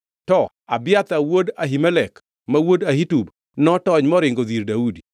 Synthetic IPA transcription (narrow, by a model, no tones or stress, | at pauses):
tɔ | abɪjat̪awodaɦimɛlɛk | mawodahitub | nɔtɔɲmɔɾɪŋɡoðiɾdaudi